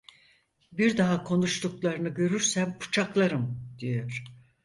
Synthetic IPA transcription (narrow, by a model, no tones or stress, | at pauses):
biɾd̪aɦakʰo̞nuʃt̪uklˠaɾɯnɯɟø̞ɾyɾsæmpʰu̥t͡ʃʰaklˠaɾɯmd̪̥ijøɾ̥